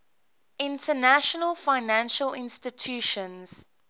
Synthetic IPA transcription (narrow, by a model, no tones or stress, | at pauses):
ʔɪ̃ntʰənæʃənəlˠfaɪnæ̃nʃəlɪ̃nstɪtʰjuʃə̃nz̥